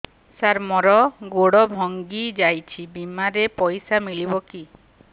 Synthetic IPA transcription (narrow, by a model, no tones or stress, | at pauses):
saɾmɔɾɔɡoɽɔbʱɔŋɡid͡ʒajt͡ʃʰibimaɾepɔjsamiɭibɔki